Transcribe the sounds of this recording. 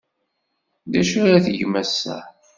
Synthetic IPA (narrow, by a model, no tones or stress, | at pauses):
ðæʃaɾaθəʝmæsːæ̰